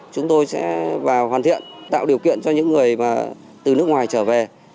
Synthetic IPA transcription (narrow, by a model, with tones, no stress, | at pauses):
t͡ɕʊ˨˦ŋ͡mt̪o˧jsɛ̰˧˥vaː˨˩whaː˨˩nt̪ʰḭ˧˨ənt̪a̰ː˧˨wɗi˨˩əwkḭ˧˨ənt͡ɕɔ˧ɲɨ̰˧˥ŋːɨ˨˩əjmaː˨˩ | t̪ɨ˨˩nɨ˦˥ək̚ŋwaː˨˩jt͡ɕəː˧˩ve˨˩